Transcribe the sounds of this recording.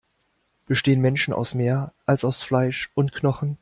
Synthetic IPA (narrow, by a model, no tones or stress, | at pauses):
b̥əʃteːənmɛnʃn̩a̰ʊsmeːɐʔalsaʊsflaɪʃʔʊntkʰnɔχn̩